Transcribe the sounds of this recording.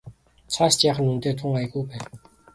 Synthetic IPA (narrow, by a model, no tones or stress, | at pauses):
t͡sʰast͡ɕjaːχə̆nunt̪eːt̪ʰʊŋaj̆ɣujpæːn